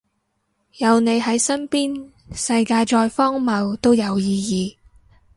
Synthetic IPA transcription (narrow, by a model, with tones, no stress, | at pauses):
jɐ˨wne˨˧jɦɐ˨˥jsɐ˥npiː˥n | sɐ˧jkaː˧jt͡ʃɔː˧jfɔː˥ŋmɐ˨˧wt̪o˥wjɐ˨˧wjiː˧jiː˨˧